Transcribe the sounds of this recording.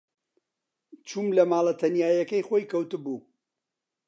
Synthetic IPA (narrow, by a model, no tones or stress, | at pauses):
t͡ʃʰuːmlɐmaːlˠɐt̪ʰɐnjaːjɐkɐjχoːjkʰɐwt̪ɨbuː